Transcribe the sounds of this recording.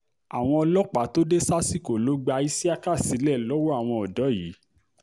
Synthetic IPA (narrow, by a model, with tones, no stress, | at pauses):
a˨w̃ɔ̃˧ɔ˧lɔ˦k͡pa˨to˦de˦sa˦si˦˨ko˨lo˨˦ɡ͡ba˧i˦si˦a˦ka˦˨si˨˦lɛ˦˨lɔ˨˦wo˦a˦˨w̃ɔ̃˧ɔ˨dɔ˨˦jiː˨˦